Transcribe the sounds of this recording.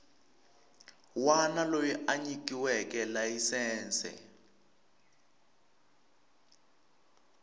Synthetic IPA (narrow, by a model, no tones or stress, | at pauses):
wanalojiʔaɲik̬iwɛkɛlajisɛːnsɛ̰